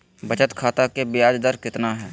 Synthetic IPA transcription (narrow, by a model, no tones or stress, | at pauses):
bɐt͡ʃət̪kʰaːt̪akebjaːd͡ʒd̪əɾkɪt̪naɦɛː